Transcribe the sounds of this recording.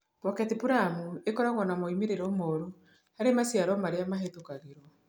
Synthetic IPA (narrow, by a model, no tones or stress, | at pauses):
pɔkɛtipuɾamuekɔɾaɣɔnamɔimeɾeɾɔmoːɾo | haɾemasjaɾɔmaɾeamaɦetokaɣeɾɔ